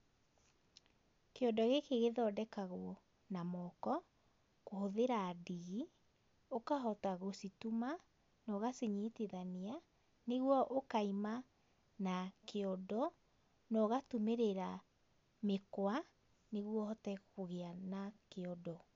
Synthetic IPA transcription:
keɔndɔɣekeɣeðɔːdɛkaɣoɔ | namɔkɔ | kohoðeɾadiɣi | okaɦɔtaɣosituma | nɔɣaseɲeteðania | neɣwɔʔokaima | nakeɔdɔ | nɔɣatumeɾeɾa | mekwa | neɣwɔhɔtɛkoɣeanakeɔdɔ

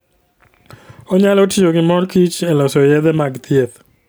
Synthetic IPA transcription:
oɲalotijoɡɪmɔrkit͡ʃɛlɔsɔjɛd̪ɛmaɡt̪ɪet̪

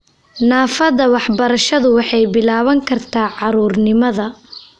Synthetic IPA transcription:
naːfɐðɐwɑħbɐɾɐʃɐðʊwɑħɑjbɪlaːβɐŋkʰɐrt̪ʰaːʕɑɾuːrnɪmɐðɐ

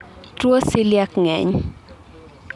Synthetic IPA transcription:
twosiljakŋɛɲ

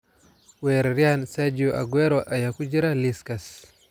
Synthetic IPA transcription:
weɾɾjansad͡ʒioʔa̰ɡweɾoʔajakud͡ʒiɾaliskas

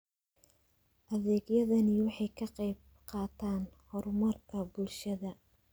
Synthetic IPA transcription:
ʔɐðɛːɡjɐðɐnɪwɑħɑjkʰɐqɛjb̚ | qɑːt̪ʰaːnhɔrmɐrkʰɐbulʃɐðɐ

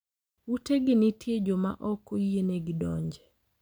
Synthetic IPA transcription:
uteɡɪnɪtjed͡ʒoma̰ʔɔkojeneɡidɔ̰ɲd͡ʒɛ

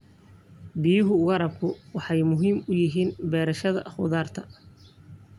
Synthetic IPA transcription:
bɪjʊɦʊʊɣɐɾɐb̚kʰʊwɑħɑjmʊɦiːmʊjɪɦiːnbɛːɾɐʃɐðɐ̰χʊ̰ðaːrt̪ʰɐ

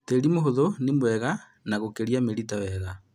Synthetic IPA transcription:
teɾimoɦoðonimwɛɣa | naɣokeɾiameɾitawɛɣa

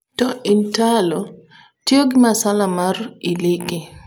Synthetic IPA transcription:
tɔʔintalɔ | tjoɡɪmasalamariliɡi

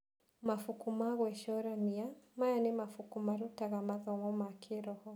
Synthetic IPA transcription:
mafukumaɣwɛʃɔɾanijamajanimafukumaɾutaɣamaðɔŋɔmakʰiɾɔhɔ

